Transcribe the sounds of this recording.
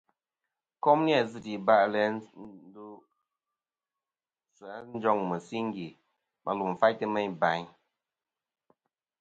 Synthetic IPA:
kɔ˦mni˦a˨zɨ˦˨ti˨ba˦˨ʔlɛ˨˦du˦ | sa˨˦n̩˦d͡ʒɔ˦ŋmə˨si˦ŋ˦ɡi˨ | mʔa̰˨lu˨m˨fa˦jtɨ˦mɛ˦ɲba˨˦ɲ

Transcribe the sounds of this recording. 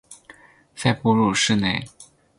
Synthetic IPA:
fa˥˧ɪpu˥˧ɻu˥˩ʂɻ̩˥˧ne˥˩ɪ

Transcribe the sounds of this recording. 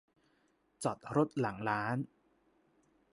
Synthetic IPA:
t͡ɕɔ˨˩t̪̚ɾo˦˥t̪̚la˩˦ŋlaː˦˥n

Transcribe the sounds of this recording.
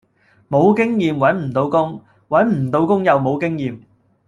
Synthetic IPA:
mo˨˧wkɪ˥ŋjiː˨mwɐ˨˥nm̩˨˩t̪o˨˧wkʊ˥ŋ | wɐ˨˥nm̩˨˩t̪o˨˧wkʊ˥ŋjɐ˨wmo˨˧wkɪ˥ŋjiː˨˧m

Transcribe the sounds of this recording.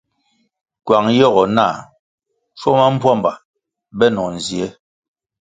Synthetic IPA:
kwa˨ŋjɔ˦˨ɣɔ˨na˦˨ | t͡ʃɔ˦ma˦m̩˦pwa˦mba˨ | bɛ˦nɔ˨n̩˨zi˨ɛ˦

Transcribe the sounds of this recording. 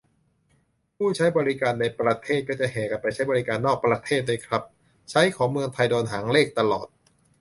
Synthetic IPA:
pʰuː˥˩t͡ɕʰa˦˥jbɔː˧ɾi˦˥kaː˧nːa˧jpɾa˧t̪ʰeː˥˩t̪̚kɔː˥˩t͡ɕa˧˩ɦɛː˩ka˨˩npa˧jt͡ɕʰa˦˥jbɔ˧ɾi˦˥kaː˧nːɔː˥˩k̚pɾa˧t̪ʰeː˥˩t̪̚daː˥˩jkʰɾa˦˥p̚ | t͡ɕʰa˦˥jkʰɔː˩˦ŋmɯ˧əŋt̪ʰa˧jdoː˧nɦaː˩˦ŋleː˥˩k̚t̪a˧lɔː˨˩t̪̚

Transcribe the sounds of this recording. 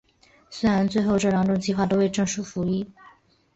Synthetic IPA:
swe˥ɪɻa˧˥nt͡swe˥˧ɪxo˥˧ʊʈ͡ʂɤ˥˩ɻɑ˧˥ŋʈ͡ʂʊ˥ŋt͡ɕi˥˧xwa˥˩t̪o˥ʊwe˥˧ɪʈ͡ʂɤ˥˧ŋʂu˥˩fu˧˥i˥˩

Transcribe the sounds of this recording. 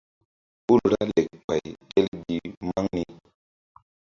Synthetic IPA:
bu˦ɾɾa˦le˨k̚k͡pa˨jke˦lɡi˨ma˦ŋni˦

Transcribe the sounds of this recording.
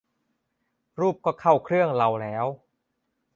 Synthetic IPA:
ɾuː˥˩p̚kɔː˥˩kʰa˥˩wkʰɾɯ˥˩əŋla˧wlɛː˦˥w

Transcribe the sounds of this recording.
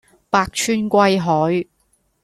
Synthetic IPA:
paː˧k̚t͡ʃʰyː˥nkʷɐ˧jɦɔː˨˥j

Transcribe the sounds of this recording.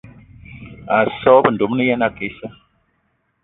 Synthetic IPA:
a˨sɔ˦bə˨ndo˨˦mni˦ja˦na˨ke˨˦sa˦

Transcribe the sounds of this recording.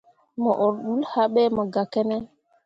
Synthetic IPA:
mɔ˨ʔo˨ɾɗu˦lha˦ɓe˦mə˨ɡa˨ke˦nɛ˦

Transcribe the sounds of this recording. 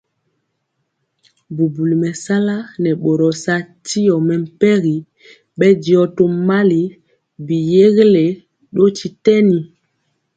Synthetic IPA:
bu˨bu˨li˨mɛ˨sa˦la˦nɛ˨ɓo˨ɾɔ˨sa˦ti˦jɔ˨mɛ˨m̩˨pɛ˦ɣi˨ | ɓɛ˦di˨ɔ˦to˦ma˦li˨ | bi˨je˦ɣe˦le˨ | ɗo˦ti˨tɛ˦ni˨

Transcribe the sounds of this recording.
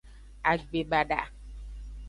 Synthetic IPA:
a˨ɡ͡be˨ɓa˨da̰˨

